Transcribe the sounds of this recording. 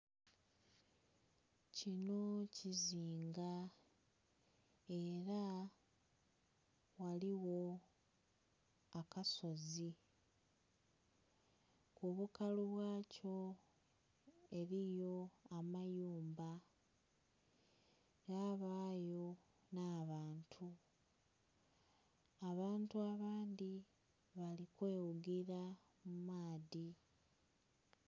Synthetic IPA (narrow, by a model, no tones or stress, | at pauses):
cino̞ciziːŋɡa | e̞ɾa | waliwo̞ | akasozi | kuβukaluβwaːco̞ | e̞ɾijo̞amajuːmba | ɾaβaːjo̞ | naːβaːntʰu | βaːntuaβaːndi | βalikwe̞ːwuɡiɾa | mumaːði